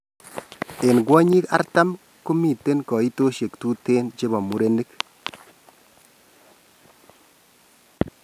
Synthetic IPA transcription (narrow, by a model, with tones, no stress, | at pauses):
e˨nɡwɔ˦ɲi˦ka̰˦rta˦m | kʊ˦mi˨te˦nkɔ˨i˦to˦ʃe˨ktu˦te˦nt͡ʃɪ˦bɔ˨mu˨ɾe˦ni˦k